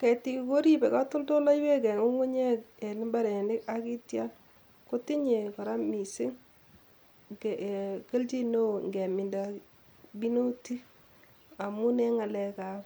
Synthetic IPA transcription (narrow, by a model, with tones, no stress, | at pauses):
kɛ˨ti˦kko˦ɾi˦bɛ˨ka˦tʊ˦lto˦la˦jwe˦kɛ˨ŋo˦ŋu˦ɲe˦k̚ɛ˨nɪ˦mba˦ɾɛ˨nɪ˦ka˦ki˦tja˦n | ko˦ti˦ɲe˨ka˨ɾa˦mi˨sɪ˦ŋ | ke˨ke˦lt͡ʃi˦no˦˨ŋɡɛ˨mɪ˨nda | bi˦no˦ti˦ | a˨mu˦nɛ˦ŋa˨lɛ˦ka˨